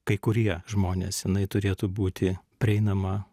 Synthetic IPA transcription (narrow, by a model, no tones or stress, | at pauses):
kɐɪkʊɾʲiɛʒmoːnʲḛːsjɪnɐɪt̪ʊɾʲeːt̪uːbuːt̪ʲɪpʲɾʲɛɪnɐmɐ